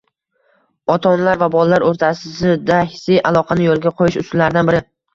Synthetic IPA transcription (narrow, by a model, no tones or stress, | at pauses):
ɒt̪ʰɒnlaɾvabɒlˠalaɾoɾt̪ʰasɪɪd̪ahɪsɪjʔalˠɒqʰɑnɪjolˠɡʲaqʰojɪʃʊsʊllaɾɪd̪anbɪɾɪ